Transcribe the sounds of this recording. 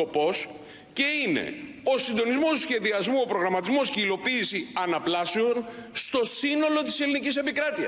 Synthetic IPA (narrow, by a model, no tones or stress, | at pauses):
o̞po̞s | ce̞ine̞̰ | o̞sind̪o̞nizmo̞sçe̞ðiɐzmuo̞pɾo̞ɣɾɐmɐt̪izmo̞sceilo̞piːsiɐnɐplɐseo̞nst̪o̞sino̞lo̞t̪̬i̥se̞linicisepikɾɐt̪iɐ̰